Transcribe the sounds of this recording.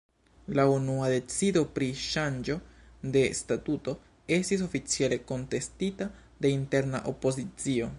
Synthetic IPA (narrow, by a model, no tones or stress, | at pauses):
launuade̞t͡sido̞pɾiʃand͡ʒo̞de̞statuto̞ | e̞stis̬o̞fit͡siele̞ko̞nte̞stita | de̞inte̞ɾna̰ʔo̞po̞zit͡sio̞